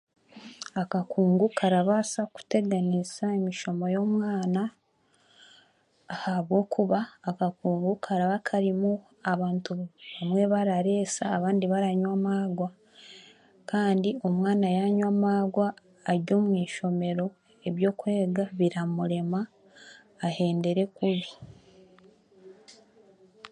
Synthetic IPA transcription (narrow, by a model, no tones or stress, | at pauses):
akakuːŋɡukʰaɾaβasaku̥te̞ɡanisaemiʃo̞mo̞jo̞ːmwaːna | haβwo̞ːkʰuβaːkakuːŋɡukʰaɾaβakʰaɾimu | aβaːntuβamwe̞βaɾaɾe̞ːsaːβaːndiβaɾaɲwamaːɡwa | kaːndio̞mŋaːnajaɲwamaːɡwaː | ɾɟo̞ːmwiːʃo̞me̞ɾo̞ | e̞βjo̞ːkue̞ːɡaβiɾamuɾe̞maː | he̞ːnde̞ɾe̞kuβi